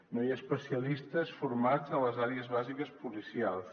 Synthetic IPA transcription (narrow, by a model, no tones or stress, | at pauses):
nojaspəsiəlist̪əsfuɾmad͡zələzaɾeəzβazikəspulisialˠs